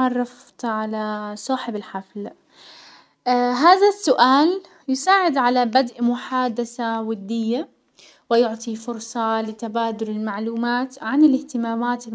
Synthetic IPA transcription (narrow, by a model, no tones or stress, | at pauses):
ʕɑrˤːɑf | t̪ʕalasˤɑːħɪbɪlħafl | ɦaːðasːʊʔaːl | jɪsaːʕɪd̪ʕalabad̪ʔmʊħaːd̪aθawɪd̪ːɪjːa | wɪjʊʕt̪ˤifʊɾsˤɑlɪt̪abaːd̪ʊlɪlmaʕluːmaːt̪ʕanɪlɪht̪ɪmaːmaːt̪ɪ